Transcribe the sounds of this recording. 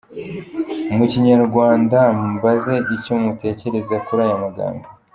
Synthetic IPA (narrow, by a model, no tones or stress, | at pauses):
muciɲaɾɡwaːndambaze̞icomute̞ːce̞ɾe̞zakuɾajamaɡa̰ːmba